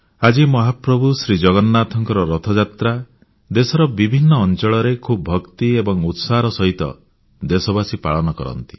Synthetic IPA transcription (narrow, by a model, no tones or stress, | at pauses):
ad͡ʒimɔɦapɾɔbʱusɾid͡ʒɔɡɔnːat̪ʰɔŋkɔɾɔɾɔt̪ʰɔd͡ʒat̪ɾa | d̪esɔɾɔbibʱinːɔːnt͡ʃɔɭɔɾekʰubbʱɔkt̪iebɔŋut̪saɦɾɔsɔɦit̪ɔ̰ | d̪esɔbasipaɭɔnɔkɔ̰ɾɔ̰nt̪i̥